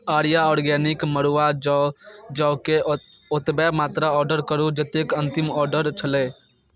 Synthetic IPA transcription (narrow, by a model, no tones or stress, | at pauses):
aːɾijaɔːɾɡɛːnɪkməɾuʋad͡ʒd͡ʒɔːke | ʊt̪bɛmaːt̪ɾaɔːɾɖəɾkəɾud͡ʒət̪ekə̃nt̪ɪmɔːɾɖəɾt͡ʃʰəleː